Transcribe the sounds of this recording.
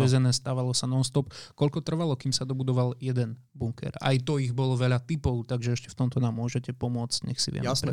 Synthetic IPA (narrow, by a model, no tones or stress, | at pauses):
ʋɛzɛnɛːst̪aːʋalɔsanɔst̪ɔpkɔʎkɔt̪r̩ʋalɔkimsad̪ɔbud̪ɔʋaljɛd̪ɛn | buŋkɛ̰ɾa̰jt̪ɔiɣbɔlɔʋɛʎat̪ipɔʊt̪aɡʒɛɛʃcɛ̥ft̪ɔmt̪ɔnaːmːʊɔʒɛcɛpɔmʊɔt͡scɲɛxsḭʋɪɛ̰ɾɛ